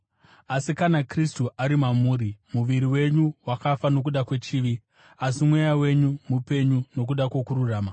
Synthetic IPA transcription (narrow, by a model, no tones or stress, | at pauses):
asikanakristuʔaɾimamuːɾimuʋiɾiwe̞ɲuwakafano̞k̬uɗakwe̞t͡ʃiːʋi | asimwe̞jawe̞ɲumupe̞ɲuno̞k̬uɗakwo̞kururaːma